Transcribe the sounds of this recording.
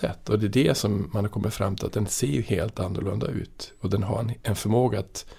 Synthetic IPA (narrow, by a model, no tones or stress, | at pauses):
ɛ̰t̪ːɔd̪ɛːdɛsɔmːanhaɾkʰɔmːɪt̪fɾa̰mːt̪ʰɪlat̪d̪ɛnseːjheːlt̪anːʊɭɵnd̪a̰ʉ̟ːt̪ɔd̪ɛnɦa̰ɾɛnfœɾmoːɡaːt̪